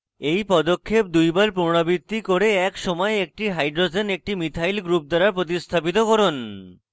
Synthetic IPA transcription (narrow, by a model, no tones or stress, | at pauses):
ejpɔd̪okʰːep̚d̪ujbaɾpuɾɽ̃abit̪ːikoɾeɛkʃɔmɔeek̚ʈiɦajɖɾod͡ʑenek̚ʈimit̪ʰajlɡɾup̚d̪aɾaɾpɾot̪ist̪ʰapit̪̬okɔɾon